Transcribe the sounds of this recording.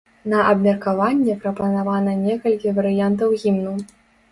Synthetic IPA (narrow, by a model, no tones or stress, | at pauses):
nɐʔɐbmʲɛrkavanʲːɛpɾɐpɐnavanɐnʲɛkɐlʲkʲivɐɾɨjant̪̬ɐwɣʲimnu